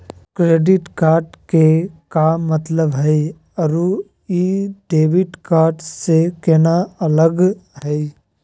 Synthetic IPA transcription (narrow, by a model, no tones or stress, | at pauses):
kɾeːɖɪʈkaːɾɖkekamət̪ləbɦɛi | ɐɾu | iɖeːʋɪʈkaːɾɖsekɛnaɐləɡɦɛ